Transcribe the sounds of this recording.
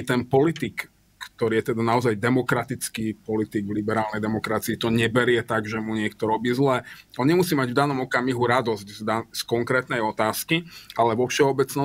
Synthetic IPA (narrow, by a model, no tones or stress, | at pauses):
t̪ɛnpɔlit̪ikː | t̪ɔɾiːjɛt̪ɛd̪anaɔzajd̪ɛmɔkɾat̪it͡skiːpɔlit̪iɡʋlibɛɾaːlnɛjd̪ɛmɔkɾat͡siːt̪ɔɲɛbɛɾɪɛt̪aɡʒɛmuɲɪɛkt̪ɔɾɔbiːzlɛːɔnɲɛmusiːmaɟvd̪anɔmɔkamiɦuɾad̪ɔzczd̪askɔŋkɾɛːt̪nɛjɔt̪aːskiʔalɛʋɔfʃɛɔbɛt͡snɔ